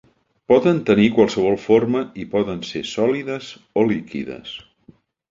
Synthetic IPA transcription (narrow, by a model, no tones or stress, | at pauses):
pɔðənt̪ənikwalˠsəβɔlˠforməipɔðənsesɔliðəz | olikḭðə̰s